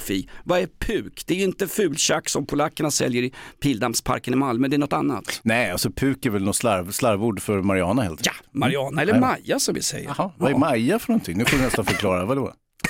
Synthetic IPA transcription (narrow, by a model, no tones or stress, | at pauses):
fiːvaɛɾpʰʉ̟ːkd̪ɛæɾjɵɪnt̪əfʉ̟ːlɕakːsɔmpʰʊlakːəɳasɛ̰ljəɾɪpʰiːld̪amspʰa̰ɾkənɪmalmœːd̪ɛæɳɔt̪ːanːa̰t̪ːnɛjalsɔpʰʉ̟ːkɛɾvɛlnɔt̪slaɾvslaɾvuːɖfœɾmaɾɪɑːnahɛlt̪jamaɾɪɑːnaɛlːəɾmajːasɔmvɪ̰sɛ̰jə̰vaɛmajafœɳɔnt̪ʰɪŋnʉfɔɾvɪnɛst̪anfœɾkʰlɑːɾavad̪o̰